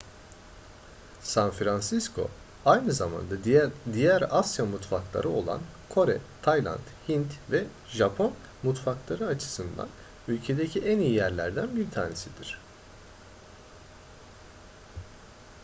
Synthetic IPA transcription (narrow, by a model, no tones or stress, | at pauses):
sanfɾansiskʰo̞̰ | ajnɯzama̰nd̪ad̪ijæɾasjamut̪faklˠa̰ɾʔɯo̞̰lˠa̰nkʰo̞ɾɛ̰t̪ʰajlˠa̰nt̪hint̪vɛ | ʒapʰo̞n | mut̪faklˠaɾɯat͡ʃʰɯ̥sɯnd̪a̰n | ylʲcʰe̞d̪ecʰiʔænijijæɾlʲæ̰ɾd̪ænbiɾt̪ʰaːnesid̪iɾ̝̥